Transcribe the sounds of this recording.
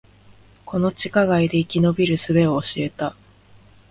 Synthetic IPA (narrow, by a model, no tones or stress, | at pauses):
kʰo̞no̞t͡ɕi̥kaɡaid̪e̞ikʲino̞bʲiɾɯ̟sɨbe̞oːɕie̞t̪a